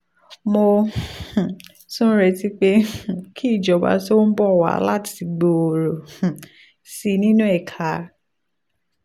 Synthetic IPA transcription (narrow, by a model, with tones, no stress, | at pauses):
mõ˧˨ | sũ˦ɾɛ˧ti˦k͡pẽ˦˨kʰi˦˨d͡ʒɔ˨ba̰˧so˦n̩˦bɔ˦˨wa̰˨˦la˦ti˨˧˨ɡ͡bo˨o˨ɾõ˨ | si˧nĩ˦nũ˦ɛ˦˨kʰa˨˦